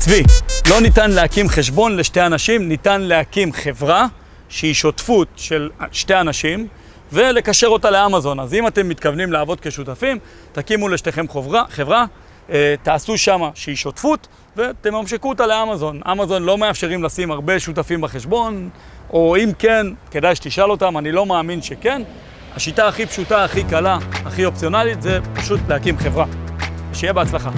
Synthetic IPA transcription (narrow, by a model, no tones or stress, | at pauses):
t͡svilo̞nitanle̞akimχe̞ʃbo̞nle̞ʃte̞anaʃimnitanleakimχe̞vʁa | ʃeiʃo̞tfutʃe̞lʃte̞anaʃim | ve̞le̞kaʃe̞ʁo̞tale̞amazo̞nazimate̞mːit̪kavnimlaːvo̞d̪̚ke̞ʃutafim | takimuleʃte̞χe̞mχovʁaχevʁa | et̪aːsuʃamaʃeiʃo̞tfut | ve̞t̪emamʃikuotaleamazo̞na̰mazo̞nlo̞meafʃeʁimlasimaʁbe̞ʃutafimbaχeʃbo̞n | o̞imke̞nke̞dajʃet̪iʃalo̞tamanilo̞maːminʃe̞ke̞n | aʃitaːχipʃutaːχikalaːχio̞pt͡sio̞nalit̪zepaʃutlehakimχe̞vʁaʃejebeat͡slaχa